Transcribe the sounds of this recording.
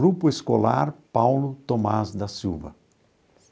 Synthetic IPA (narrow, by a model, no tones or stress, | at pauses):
ɾupʊeskola̰ɾpawlʊt̪omazd̪ɐsiwvɐ̰